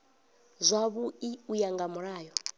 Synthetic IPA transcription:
zʷaβuiujaŋɡamuɾaːjɔ

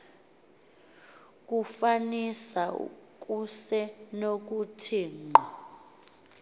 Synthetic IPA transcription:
k̬ʼufanisaṵk̬ʼusɛnok̬utʰiːŋ͡ǃa

